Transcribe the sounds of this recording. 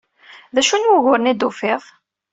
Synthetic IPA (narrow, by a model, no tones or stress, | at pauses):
ðæʃunwʊɣʊɾnid̪ufɪðˤ